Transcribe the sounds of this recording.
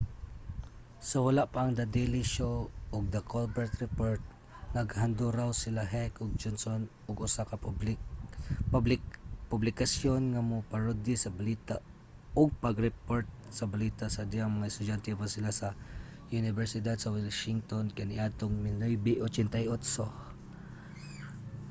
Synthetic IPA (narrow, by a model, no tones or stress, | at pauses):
sɐwɐlaʔpaːŋd̪ɐd̪ɛlɪʃoʔʊɡ̚d̪ɐkolbɛɹt̪ɾɛpoɹt̪̚ | nɐɡhand̪uɾawsɪlaɦɛkʊɡ̚d͡ʒonson | ʊɡʊsaka | pʊblɪkasjonŋamʊpaɹʊd̪ɪsɐbalit̪a | ʊɡ̚pɐɡɾɛpoɹt̪̚sɐbɐliːt̪asɐd̪ɪaŋmɐŋaɛst̪ʊd͡ʒant̪ɛpasɪlasɐ | ʔʊnɪvɛɹsɪd̪ad̪̚sɐwɪlʃɪŋt̪onkanɪʔat̪oŋmɪnojbɪʔot͡ʃɛnt̪ajʔot̪so